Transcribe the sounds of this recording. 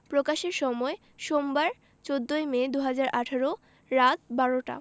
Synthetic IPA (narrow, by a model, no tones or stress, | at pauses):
pɾokaʃeɾʃɔmɔe | ʃombaɾ | t͡ɕod̪ːoemed̪uɦad͡ʑaɾʔaʈʰaɾo | ɾat̪baɾoʈa̰